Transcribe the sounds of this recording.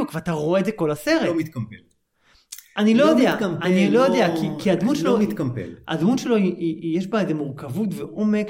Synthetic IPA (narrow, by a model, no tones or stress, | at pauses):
ukveat̪aʁoeːdzeko̞lase̞ʁemit̪kɐmpel | anilo̞jod̪eamanilojod̪eakikiad̪mutʃeloit̪kɐmpḛla̰d̪mutʃelo̞iijeʃbaezemuʁkavutveʔo̞mek